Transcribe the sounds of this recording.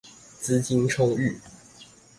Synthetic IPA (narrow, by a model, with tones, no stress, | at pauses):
t͡sɹ̩˦t͡ɕi˥nʈ͡ʂʰo˥ŋy˥˨˩